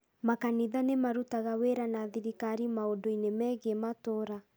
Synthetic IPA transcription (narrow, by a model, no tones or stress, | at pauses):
makaniðanemaɾutaɣaweɾanaːðiɾikaɾimaodoinemɛːɣematoɾa